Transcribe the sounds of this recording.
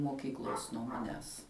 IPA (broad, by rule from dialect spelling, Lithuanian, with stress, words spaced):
moːˈkʲiːklˠoːs nuɔ mɐˈnʲæːs